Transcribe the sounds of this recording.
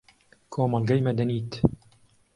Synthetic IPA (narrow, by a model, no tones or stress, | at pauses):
kʰoːmɑlɡɐjmɛd̪ɐniːt̪